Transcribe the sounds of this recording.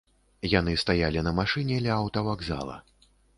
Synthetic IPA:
jan̪ɨst̪ajalʲinɐmaʂɨnʲɛlʲɛawt̪ɐvaɡza̰lˠɐ̰

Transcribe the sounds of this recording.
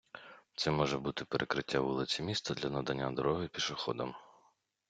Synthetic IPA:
t̪sɛmɔʒɛbut̪ɪpeɾʔekɾɪtʲːaʋulˠɪt͡sʲimʲist̪ɐd̪lʲɐnɐd̪ɐnʲːad̪ɔɾɔɦɪpʲiʃɪxɔd̪ɐm

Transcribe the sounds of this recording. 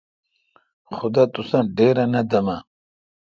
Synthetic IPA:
xʊd̪at̪usɐ̃ɖeːɾɐnɐd̪ɐmɐ

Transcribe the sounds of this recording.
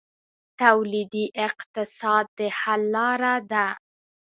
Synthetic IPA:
t̪awlid̪iʔɪqt̪ɪsɑd̪̚ːəhalːɑɾad̪a

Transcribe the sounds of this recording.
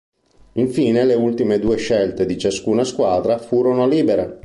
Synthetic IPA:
iɱfiːneleult̪imed̪uːeʃelt̪ed̪it͡ʃaskuːnaskwaːd̪ɾafuːɾonoliːbeɾe

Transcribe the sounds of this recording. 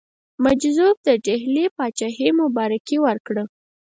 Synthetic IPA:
mad͡ʒzub̚d̪əɖeɦlepɑt͡ʃahemʊbɑɾakiwəɾkɽə

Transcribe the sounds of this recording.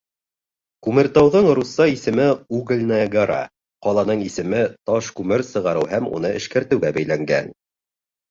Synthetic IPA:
kʉmɘ̆ɾt̪ɑwðɤɴɾusːɑisɘ̆mɘuɡɘ̆lʲnaɡəɾa̰ | qɒlˠɑnɤɴisɘ̆mɘt̪ɑʃkʉmɘɾsɤ̆ʁɑɾɤwɦæmṵnɤɘ̆ʃkæɾt̪ɘ̆wɡæbæjlæŋɡæ̰n

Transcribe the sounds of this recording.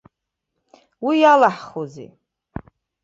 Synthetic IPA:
wijalaħχozḭ

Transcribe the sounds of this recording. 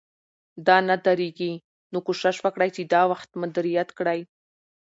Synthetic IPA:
d̪ɑnad̪aɾeɡi | nokoʃɪʃwəkɽajt͡ʃed̪ɑwaxt̪mʊd̪ɾijat̪kɽaj

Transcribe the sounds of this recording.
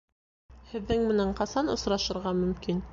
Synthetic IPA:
hɘ̆ðːɘŋmɘ̆næɴqɑsɑnŏ̰sɾɑʃɤ̆ɾʁɑmɵ̆mkin

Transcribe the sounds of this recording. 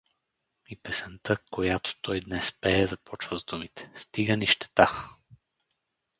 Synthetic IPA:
ipɛsɛnt̪əkojat̪o̥t̪ɔjd̪nɛspɛːzɐpɔt͡ʃvəzd̪umit̪ɛ̥st̪iɡəniʃt̪ɛ̥t̪a

